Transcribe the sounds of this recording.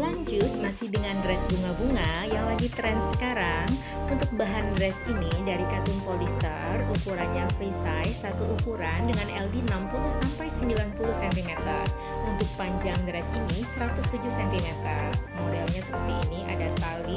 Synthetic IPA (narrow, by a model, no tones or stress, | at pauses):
laɲd͡ʒʊt̪̚masɪhdəŋandɾɛsbuŋabuŋajaŋlaɡit̪ɾɛnsəkaɾaŋ | unt̪ʊk̚baɦandɾɛsinidaɾikat̪ʊnpolist̪ə̰rukuɾanɲafɾisajsat̪ulukuɾandəŋanɛldinampulʊhsampajsəmbilanpulʊhsɛnt̪imɛt̪ar | unt̪ʊk̚paɲd͡ʒaŋdɾɛsinisəɾat̪ʊst̪ud͡ʒʊhsɛnp̪imɛt̪ərmɔdalɲasə̥pərt̪iːnia̰dat̪ali